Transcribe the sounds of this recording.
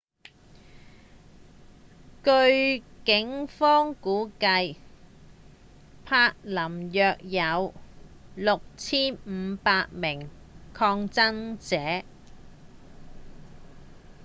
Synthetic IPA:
kɵ˧ɥkɪ˨˥ŋfɔː˥ŋkuː˨˥kɐ˧j | pʰaː˧k̚lɐ˨˩mjœː˧k̚jɐ˨˧w | lʊ˨k̚t͡sʰiː˥nm̩ː˨˧paː˧t̚mɪ˨˩ŋ | kʰɔː˧ŋt͡sɐ˥nt͡sɛː˨˥

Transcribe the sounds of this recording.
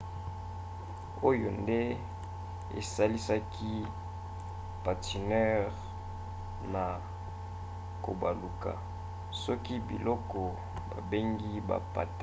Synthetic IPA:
o˦jo˨nde˦ | ḛ˨sa˦li˦sa˦kʰi˦ | pa˨ti˨nɛ˦ʁ | na˨ | ko̰˨ba˨lu˨ka̰˨ | sɔ˦ki˦bḭ˨lɔ˦kɔ˨ | ba˨be˦ŋɡi˦ba̰˨pa̰˨t

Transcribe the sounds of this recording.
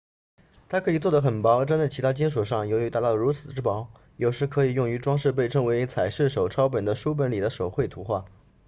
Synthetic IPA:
t̪ʰa˥kʰɤ˧˥i˨˩t͡swɔ˥˩d̪ə˩xə˨˩npɑ˧˥ʊ˥˩ʈ͡ʂa˥nt͡sa˥˩ɪt͡ɕʰi˧˥t̪ʰa˥t͡ɕi˥nʂɔ˨˩ʂ̬ɑ˥˩ŋjo˧˥ʊy˧˥t̪a˥˩t̪ɑ˥˩ɻu˧˥t͡sʰɹ̩̥˨˩ʈ͡ʂɻ̩˥pɑ˧˥ʊ | jo˨˩ʊʂɻ̩˧˥kʰɤ˧˥i˨˩jʊ˥˩ŋy˧˥ʈ͡ʂwɑ˥ŋʂɻ̩˥˧p̬e˥˩ɪʈ͡ʂʰɤ˥ŋwe˧˥ɪt͡sʰa˨˩ɪʂɻ̩˥˩ʂ̬o˨˩ʊʈ͡ʂʰɑ˥ʊpə˨˩nd̪ə˦ʂu˥p̬ə˧˥nli˨˩d̪ə˦ʂo˨˩ʊxwe˥˩ɪt̪ʰu˧˥xwa˥˩

